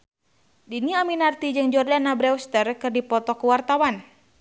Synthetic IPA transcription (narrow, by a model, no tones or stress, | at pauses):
diniaminart̪id͡ʒɨŋd͡ʒɔrlanabɾɛust̪ərkɨrdipɔt̪ɔkuwart̪awan